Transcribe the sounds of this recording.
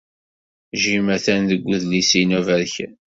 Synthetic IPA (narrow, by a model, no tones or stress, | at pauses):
ʒimæθænðəɡʷːʊðlisinuvæɾç